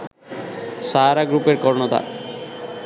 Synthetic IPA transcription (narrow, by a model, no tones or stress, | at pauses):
ʃaɾaɡɾupeɾkɔɾnot̪a̰